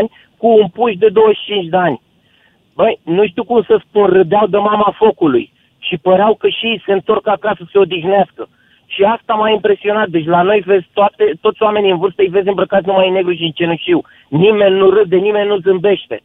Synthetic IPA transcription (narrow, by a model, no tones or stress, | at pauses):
nʲ | kuːmpuʃ̬d̪e̞d̪o̞wəʃt͡ʃint͡ʃʲd̪eanʲ | bəjnuʃt̪iwkumsəspunrɨd̪eawd̪əmamafo̞kulṵj | ʃipəɾeawkəʃijse̞ɨnt̪o̞rkəakasəse̞o̞d̪ixneaskə | ʃiast̪amaimpɾe̞sio̞nat̪̚d̪e̞t͡ʃ̬ʲlano̞jve̞zʲt̪oat̪et̪ot̪sʲoame̞niɨnvɨrst̪əijve̞zʲɨmbɾəkat̪numajne̞ɡɾuʃ̬iɨnt͡ʃe̞nuʃt̪iw | nime̞nːuɾɨd̪enime̞nʲːuzɨmbe̞ʃt̪e̞̰